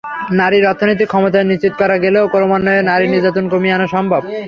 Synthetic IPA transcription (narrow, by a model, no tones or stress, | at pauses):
naɾiɾɔt̪ʰːonojt̪̬ikʰːɔmot̪aeniʃt͡ɕit̪ːo̥kɔɾaɡeleokonomanːoenaɾiniɾd͡ʑat̪onkomianoʃɔmbʱab̚